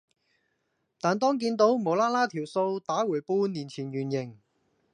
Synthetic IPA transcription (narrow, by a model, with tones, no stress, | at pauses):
t̪aː˨˩nt̪ɔː˥ŋk̬iː˧nt̪o˨˥wmo˨˩wlaː˥laː˥t̪ʰiː˨˩wso˧wt̪aː˨˥wuː˨˩jpuː˧˥niː˨˩nt͡sʰiː˨˩njyː˨˩njɪ˨˩ŋ